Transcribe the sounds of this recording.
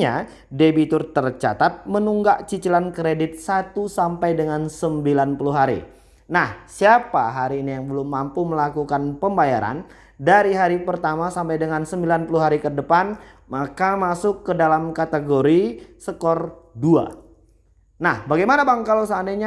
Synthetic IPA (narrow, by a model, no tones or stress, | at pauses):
ɲa̰ | debit̪ʊrt̪ərt͡ʃa̰t̪at̪̚mənuŋɡaʔt͡ʃit͡ʃilankɾedɪt̪̚sat̪usampajdəŋansəmbilanpuluɦaɾḭ | nahsiapaɦaɾiːnijaŋbəlʊmːampuməlakukanpəmbaja̰ɾa̰n | daɾiɦaɾipərt̪amasampajdəŋansəmbilanpuluɦaɾikədəpanmakamasʊkːədalamkat̪əɡoɾisəkɔrdua̰ | nahbaɡajmanabaŋkalosəandajɲa